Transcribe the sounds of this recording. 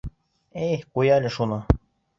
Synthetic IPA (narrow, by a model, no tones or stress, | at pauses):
ejqujɑlʲɘʃunɤ